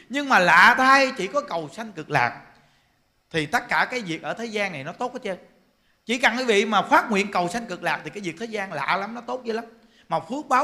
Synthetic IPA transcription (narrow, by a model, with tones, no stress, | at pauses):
ɲɨ˧ŋmaː˨˩la̰ː˧˨t̪ʰaː˧jt͡ɕi˧˩kɔ˨˦kə˨˩wsa˧jŋ̟kɨ˨˩k̚la̰ː˨˩k̚ | t̪ʰi˨˩t̪ə˦˥t̚kaː˧˩kaː˨˦jvi˨˩ək̚ʔəː˧˩t̪ʰeː˨˦jzaː˧nːa˨˩jnɔ˨˦t̪o˦˥t̚kaː˨˦t͡ɕə˧ | t͡ɕḭ˧˩˦ka˨˩nkːvḭ˧˨maː˨˩xwaː˦˥t̚ŋwḭ˧˨ənkə˨˩wsa˧jŋ̟kɨ˨˩k̚laː˨˩t̪ʰi˨˩kaː˨˦jvi˨˩əeː˨˦zaː˧nla̰ː˧˨la˨˦mnɔ˨˦t̪o˦˥t̚zo˨˧˦la˨˦m | maː˨˩fɨ˦˥ək̚ɓaː˨˦